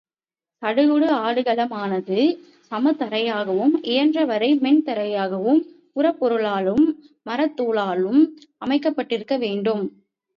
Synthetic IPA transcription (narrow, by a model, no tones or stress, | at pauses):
sɐɽɯɣɯɽɯaːɽɯɣɐlɐmaːnɐðɯ | sɐmɐt̪ːɐɾɐjaːɣɐʋɯmʔɪjɐndrɐʋɐɾɐɪmɛnt̪ɐɾɐjaːɣɐʋɯm | kʊɾɐpːɔɾɯɭaːɭɯmː | ɐɾɐt̪ːuːɭaːlɯmɐmɐɪkːɐpːɐʈːɪɾɯkːɐʋeːɳɖɯm